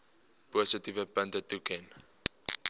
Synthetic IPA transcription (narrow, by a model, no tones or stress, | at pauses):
posətivəpə̃ntətukʰɛ̃n